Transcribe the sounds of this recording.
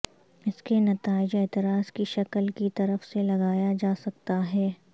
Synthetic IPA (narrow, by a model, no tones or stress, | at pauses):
ɪskenɐt̪aːɪd͡ʒeːt̪ɪɾaːzkiʃɐkəlkit̪ɐɾəfselɐɡaːjad͡ʒaːsɐk̚t̪aɦɛː